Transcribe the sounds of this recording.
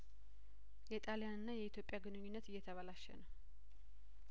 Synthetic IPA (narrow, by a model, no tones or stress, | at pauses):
jɛt̪ʼalijanɨnːajɛit̪ʰjo̞pʼjaɡɨnɨɲːɪnːət̪ɨjːɛt̪ʰəβalaʃɛ̰nəw